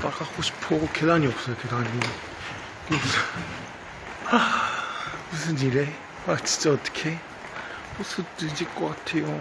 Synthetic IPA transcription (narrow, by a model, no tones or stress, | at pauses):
akak͈oɕʰi̥pʰokedaɲiʌp̚s͈ʌjoked̪aɲi | kps | a | ɯs̬ʰɯɲiɾe | mat͡ɕi̥t͡ɕ͈oːt̪͈ʰʌ̥kʰe | osʰɯtɯd͡ʑik͈ʌk͈atʰejo